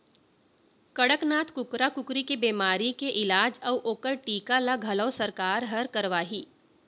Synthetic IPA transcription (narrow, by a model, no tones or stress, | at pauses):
kɐɽəknaːt̪kʊkɾakʊkɾikebeːmaːɾikeʔɪlaːd͡ʒɐʋʔoːkəɾʈiːkalaɡʱɐləʋsəɾkaːɾɦəɾkəɾʋaːɦiː